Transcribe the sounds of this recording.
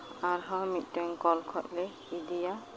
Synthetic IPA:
aɹɦɔmit̚tɛŋkɔlkʰɔt̚lɛ | idija

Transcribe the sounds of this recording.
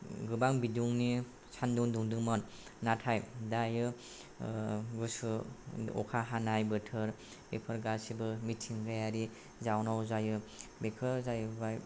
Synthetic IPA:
ɡɯbaŋbiduŋni | sʰanduŋduŋdɯŋmɔnː | atʰajdajɯ | ɡusɯɔ̰kʰaɦanajbɯtʰɯɾ | bepʰɯɾɡasibɯmitʰːiŋɡajaɾi | zawnawzajɯbekʰɯzajɯbaj

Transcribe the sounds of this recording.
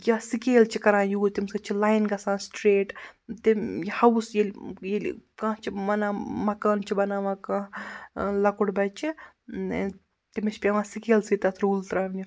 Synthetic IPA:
jasikeːlt͡ʃʰikɐɾãːjuːt̪imsɐt͡ʃʰilaːjnɡɐsãːsʈɾeːʈt̪ijhɐwsjelʲjel̰kãːt͡ʃʰimɐnãːmɐkaːnt͡ʃʰibɐnaːmɐkã | lɐkuɽbɐt͡ʃʰi | t̪imit͡ʃʲpʲɐʋãːsikeːlsit̪ɐt̪ʰɾuːlt̪ɾaːnnu

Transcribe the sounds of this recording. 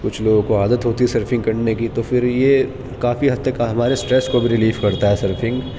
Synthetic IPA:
kʊt͡ʃʰloːɡõkoaːd̪ət̪ɦoːt̪iɦɛsɐɾfʰɪ̃ŋɡkɐɽnekit̪ofɪɾje | kaːfiɦɐt̪ːɐkɦɐmaːɾesʈɾɛːskobʱiɾɪliːfkɐɾt̪aɦɛsɐɾfʰɪ̃ŋɡ

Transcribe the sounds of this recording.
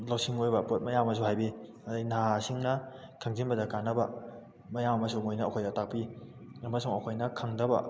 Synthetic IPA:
lowsiŋojbɐpot̚mɐjammɐsuɦajbi | ɐdajnasiŋnɐ | kʰaŋzinbɐdɐkanːɐbɐ | mɐjamɐmɐsuŋojnɐːkʰojdatak̚pi | ɐmɐsuŋɐkʰojnɐkʰaŋdɐbɐ̰

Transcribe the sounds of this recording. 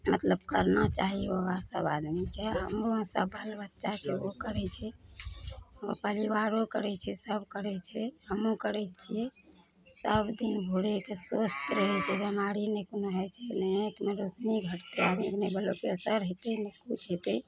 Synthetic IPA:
mət̪ləbkəɾnat͡ʃaɦioɡasə̰bad̪mikeɦəmɾoə̃səbʱəlbətːʃat͡ʃʰɛokəɾɛt͡ʃʰɛ | o̰pəliʋaɾokəɾɛt͡ʃʰɛsəbkəɾɛt͡ʃʰɛɦəmũkəɾɛt͡ʃʰijɛ | səbd̪inbʱuɽekesost̪ɾəɦɛt͡ʃʰɛbəmaɾinekonoɦɛt͡ʃʰɛnekmeɾot͡ʃniɡʱəʈt̪ead̪miknebəlopesəɾɦet̪enekut͡ʃʰɦet̪e

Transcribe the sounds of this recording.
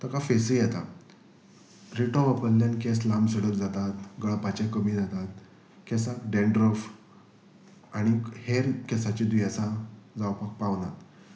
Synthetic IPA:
t̪əkafesijɛt̪a | ɾiʈɔʋəpəlːankeslambsəɽəkd͡zat̪at̪ɡəɭpat͡ɕekəmiːd͡zat̪at̪ | kɛsakɖeɳɖɾəf | aɽ̃iheɾkɛsat͡ɕid̪uiasad͡zawpak̚paʋnat̪

